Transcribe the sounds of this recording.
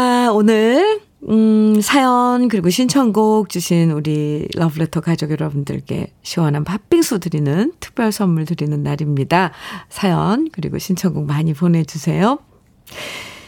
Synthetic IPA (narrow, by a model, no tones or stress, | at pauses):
aonɯɭ | sʰajʌnkɯɾiɡoɕʰint͡ɕʰʌnɡuk̚t͡ɕuɕʰinuɾilʔʌbɯɭetʰʌkad͡ʑʌɡjʌɾʌbundɯ̰ɭk͈e̞̰ɕʰiwʌnɦanpap͈ʰiŋsʰudɯɾinɯntʰɯ̥k̚p͈jʌɭs͈ʰʌmːuɭtɯɾinɯnːaɾimɲidasʰajʌnkɯɾḭɡo̰ɕʰint͡ɕʰʌnɡuk̚maɲipone̞d͡ʑusʰe̞jo